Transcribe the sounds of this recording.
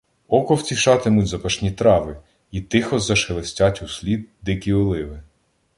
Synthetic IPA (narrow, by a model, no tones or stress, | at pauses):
ɔkɔwt͡sʲiʃɑt̪ɪmʊtʲzɐpɐʃnʲit̪ɾɑʋɪ | it̪ɪxɔzɐʃelˠesʲtʲɑtʲusʲlʲid̪̚d̪ɪkʲiɔlˠɪʋɪ